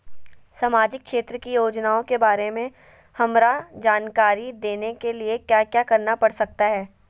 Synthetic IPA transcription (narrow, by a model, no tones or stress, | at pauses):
saːmaːd͡ʒɪk̚kʰʃeːt̪ɾəkijoːd͡ʒnaːõkebaːɾemẽ | hɐmɾad͡ʒaːnkaːɾid̪eːnekeliekjaːkjaːkɐɾnapɐɽsɐk̚t̪aɦɛː